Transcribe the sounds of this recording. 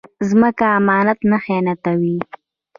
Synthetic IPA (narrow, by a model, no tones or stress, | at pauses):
zməkaːmɑːnat̪naxenat̪awi